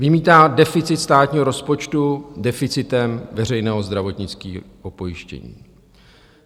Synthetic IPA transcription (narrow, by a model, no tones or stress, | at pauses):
vɪmiːt̪aːdɛfɪt͡sɪt̪st̪aːt̪ɲiːɦo̞ɾo̞spo̞t͡ʃt̪udɛfɪt͡sɪt̪ɛmvɛr̝ɛjnɛːɦo̞zd̪ɾavo̞t̪ɲɪt͡skiːɦopo̞jɪʃcɛ̰ɲḭː